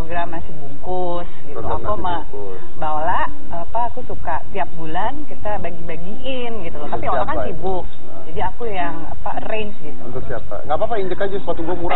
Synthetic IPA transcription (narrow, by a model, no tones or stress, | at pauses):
oɡɾamːasɪhbukʊ | sɡit̪uakama | balaʔ | apaːkusukaʔt̪iap̚bulankit̪abaɡibaɡi | ɪnɡit̪ulʊt̪apiolaŋasibʊk̚ | d͡ʒadiakujaŋa̰pareɲt͡ʃɡit̪uṵnt̪ʊksiapa̰ŋɡapapaiɲd͡ʒəkad͡ʒasəs̬at̪uɡuamuɾa